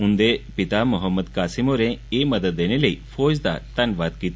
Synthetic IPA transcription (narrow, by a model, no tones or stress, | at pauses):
und̪epit̪amuɦəmːəd̪kaːsimoɾẽemɐd̪ət̪̚d̪eneləifoːd͡ʑd̪a̰t̪ɐnʋaːt̪kit̪